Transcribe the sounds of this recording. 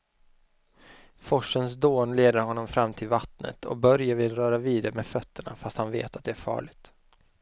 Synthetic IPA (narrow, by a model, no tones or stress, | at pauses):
fɔʂəns̬d̪oːnleːd̪əɾhɔnːɔmfɾamːt̪ʰɪlvat̪nə̰t̪ʰɔ̰k̚bœɾjavɪlɾœːɾaviːd̪əmed̪fœt̪ʰːəɳa̰fast̪hanvḛːt̪at̪̚d̪ɛæɾfɑ̰ːɭɪɡt̪